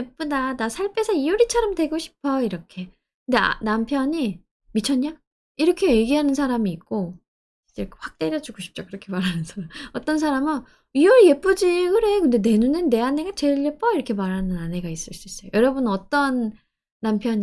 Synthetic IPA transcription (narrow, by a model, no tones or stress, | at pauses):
ep͈udanasʰaɭp͈ʰe̞sʰʌiuɾit͡ɕʰaɾamde̞ɡoɕʰi̥pʰʌiɾʌkʰe̞ | kɯnde̞a̰nampʰjʌɲi | mit͡ɕʰʌɲːa | iɾʌkʰe̞eɡiɦanɯnsʰaɾamiːk̚k͈o | t͡ɕekɸwak̚t͈e̞ɾjʌd͡ʑuɡoɕʰi̥p̚t͡ɕ͈okɯɾʌkʰe̞maɾɦanɯnsʰaɾamʌt͈ʌnsʰaɾamɯn | iuɭje̞p͈od͡ʑikɯɾe̞jokɯnde̞ne̞nunɯnːe̞ane̞ɡat͡ɕe̞ɭjep͈ʌiɾʌkʰe̞maɾɦanɯnane̞ɡais͈ɯɭs͈uis͈ʌjojʌɾʌbɯnʌt͈ʌnː | ampʰjʌɲ